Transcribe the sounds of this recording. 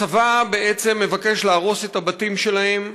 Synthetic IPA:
avabeet͡semːe̞vake̞ʃlaːʁo̞setabatimʃe̞lahe̞m

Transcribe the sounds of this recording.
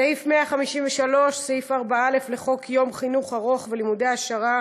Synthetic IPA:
sehifmeaχamiʃimveʃalo̞ʃsehifaʁbaale̞fleχo̞kʰjo̞mχinuχaʁo̞χvelimudeaʃaʁa

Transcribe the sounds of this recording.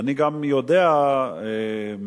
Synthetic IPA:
niɡamjod̪ea | e | m

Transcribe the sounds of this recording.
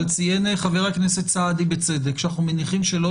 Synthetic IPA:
lt͡sijeneχaveʁaknesett͡saːd̪ibet͡se̞d̪ekʃanaχnumeniχimʃe̞lo

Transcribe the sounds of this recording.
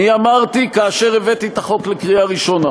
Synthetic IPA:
niamaʁt̪ikaːʃe̞ʁevet̪it̪aχo̞klekʁiaʁiʃona

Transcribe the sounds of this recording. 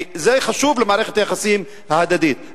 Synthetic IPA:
zæːjxaʃuːblɪmaʕɾixt̪ʔæxasiːhɪm | hhad̪æd̪iːt̪̚

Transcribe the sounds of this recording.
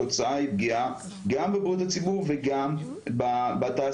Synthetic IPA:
ot͡saaib̚ɡia | ɡambebʁut̪̬at͡sibuʁveɡam | babat̪aː

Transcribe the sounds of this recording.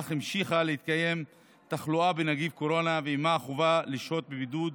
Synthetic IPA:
χimʃiχalehit̪kaje̞m | t̪aχluabenaɡivko̞ɾo̞naveimaːχuvaliʃo̞t̪̚bebid̪ud̪

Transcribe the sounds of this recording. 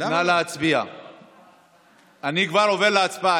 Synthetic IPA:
naleat͡sbia̰ | anikvaɾovedleat͡sbaa

